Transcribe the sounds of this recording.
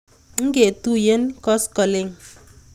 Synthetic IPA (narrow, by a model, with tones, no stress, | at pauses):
ŋ̩˦ke˨tu˦je˦nkɔ˦skɔ˨le˨ŋ